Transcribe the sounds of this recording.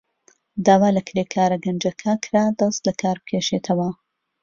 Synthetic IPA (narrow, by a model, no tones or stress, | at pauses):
d̪aːwaːlɐkʰɾeːkʰaːɾɐɡɐnd͡ʒɐkʰɐkʰɾad̪ɐst̪lɐkʰaːɾbɨ̥kʲʰeːʃeːt̪ʰɐwɐ